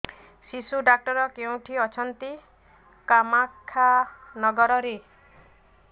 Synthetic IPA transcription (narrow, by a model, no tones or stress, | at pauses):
sisuɖak̚ʈɔɾɔkew̃ʈʰiɔt͡ʃʰɔnt̪i | kamakʰːanɔɡɔɾɔɾe